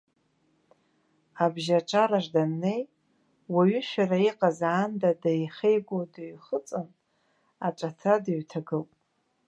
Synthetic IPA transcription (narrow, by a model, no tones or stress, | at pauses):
abʒaʈ͡ʂʼaɾaʐdannej | waɥʏʃᶣaraiqʼazaːndadajχejɡʷodaɥχət͡sʼɨn | aʈ͡ʂʼatʰadaɥtʰaɡɨlpʼ